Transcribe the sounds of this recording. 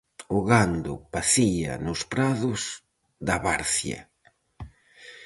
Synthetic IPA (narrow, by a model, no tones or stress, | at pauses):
ʊɣand̪ʊ̰paθiɐ̰nʊspɾaðʊz | ðɐβaɾθjɐ̰